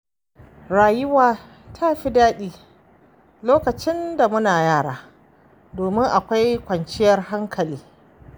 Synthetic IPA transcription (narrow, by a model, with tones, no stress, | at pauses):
ɽaː˨jɪ˦waː˨ | tʰaː˦ɸi˦daː˦ɗiː˦ | loː˦kɐ˨t͡ʃɪ˦nda˨mʊ˦naː˨jaː˦˨ɽaː˨ | doː˨mɪ˦ŋʔa˨kʷa˦jkʷɐ˨nt͡ʃɪ˦jɐ˦rɦa˦ŋkʰɐ˨liː˦